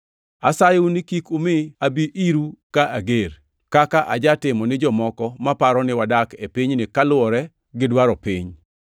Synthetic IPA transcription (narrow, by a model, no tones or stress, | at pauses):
asajʊnɪkikumɪabiʔiɾukaʔaɡeɾ | kakaʔad͡ʒatɪmɔnɪd͡ʒɔmɔkɔmapaɾɔnɪwadakepiɲnɪkalʊɔɾɛ | ɡɪdwaɾɔpḭɲ